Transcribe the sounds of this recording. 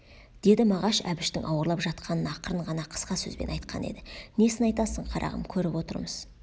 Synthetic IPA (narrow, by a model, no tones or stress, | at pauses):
d̪̥e̞d̪ɪmɑʁɑʃæ̰bɪʃt̪ɪŋʔɑwəɾlˠɑpʒɑt̪̚qʰɑnənɑqəɾəɴʁɑnɑqʰə̥sqɑsɵ̰zbe̞̰nɑjt̪qʰɑ̰ne̞̰d̪ɪne̞sɪnɑjt̪ɑsəɴqʰɑɾʔɑ̰ʁə̰mkʲʰɵɾɪpwo̞t̪ə̰ɾməz̥